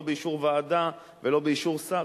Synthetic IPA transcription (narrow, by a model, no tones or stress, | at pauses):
beiʃuʁvaːd̪a | velo̞beiʃuʁsa